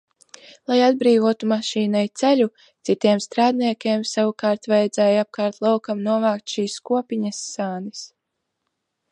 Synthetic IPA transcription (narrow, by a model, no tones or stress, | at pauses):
lˠajad̪̚bɾiːvuɔt̪umaʃiːnajt̪sɛʎu | t̪sit̪iɛmst̪ɾaːd̪niɛkʲeːmsavukaːɾt̪vajɛd̪zɛːjap̚kaːɾt̪lˠawkamnuɔvaːkt̪ʃiːskuɔpʲiɲɐsːaːnis